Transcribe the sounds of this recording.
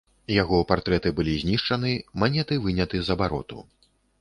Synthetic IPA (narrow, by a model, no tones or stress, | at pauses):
jaɣɔwpart̪ɾɛt̪ɨbɨlʲizʲnʲiʂt͡ʂɐnɨmanʲɛt̪ɨvɨnʲɐt̪ɨzɐbaɾɔ̰t̪ṵ